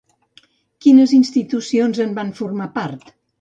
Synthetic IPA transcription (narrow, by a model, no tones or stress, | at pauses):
kinəzinst̪it̪usionzəmbaɱfuɾmapaɾt̪